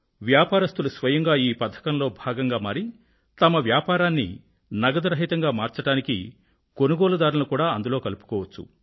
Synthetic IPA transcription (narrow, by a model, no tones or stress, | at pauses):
ʋjaːpaːɾɐst̪ulusʋɐjɐŋɡaːiːpɐd̪ʱːɐ̥kɐnlo̞ːbʱaːɡɐŋɡaːmaːɾi | t̪ɐmɐʋjaːpaːɾaːnːḭ | nɐɡɐd̪ɐɾɐɦit̪ɐŋɡaːmaːɾt͡ʃɐɽaːnikḭ | ko̞nuɡoːlɐd̪aːɾulukuːɽaːɐnd̪ulo̞ːkɐlupu̥kɔːʋɐt͡ʃːṵ